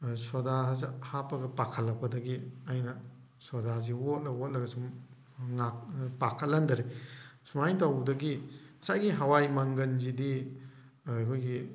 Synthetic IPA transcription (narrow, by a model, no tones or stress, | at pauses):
sodazhapɐɡɐpakʰɐlːɐkpʰɐdɐɡiajnɐ | sodazewot̚lɐwot̚lɐɡɐsum | ŋak̚pakʰɐt̚lːandɐɾesumajtawdɐɡiɐsajɡiɦawajmaŋɡɐnzidi | kʰojɡi